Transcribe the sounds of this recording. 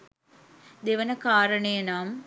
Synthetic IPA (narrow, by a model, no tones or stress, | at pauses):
d̪eʋənəkaːɾənejənaːm